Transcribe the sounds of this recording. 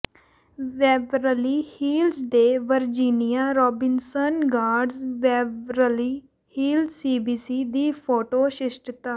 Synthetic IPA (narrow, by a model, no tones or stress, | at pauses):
ʋɛːbɾəliːhiːlzd̪eːʋəɾd͡ʒiːnɪjaːɾɔːbɪnsənɡaːɾɖzʋɛːbɾəliː | hiːlsiːbiːsiːd̪iːpʰoːʈoːʃɪʃʈət̪aː